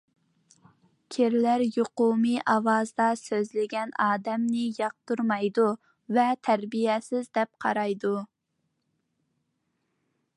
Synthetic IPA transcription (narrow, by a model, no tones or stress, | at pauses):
kʲʰiɾlæɾjoqumɨʔɑwɑzd̪ɑsøzlɪɡʲɛnɑːd̪ɛmnɪjɑq̚t̪uɾmɑjd̪u | vɛt̪ʰæɾbijɛsɪzd̪ɛp̚qʰɑ̰ɾɑjd̪u